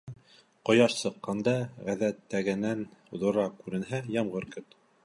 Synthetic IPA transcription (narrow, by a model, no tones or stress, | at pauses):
qŏjɑʃsɤ̆qːɑnd̪ɑʁæðæt̪ːæɡɘ̆næn̆ðŏɾɑkʉɾɘ̆nɦæjɑmʁɤɾkɵt̪